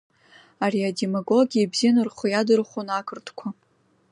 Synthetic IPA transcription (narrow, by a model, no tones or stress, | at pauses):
ariademaɡoɡʲiaibzijanɨrχʷojadɨrχʷonakʰɨrtʰkʷʰa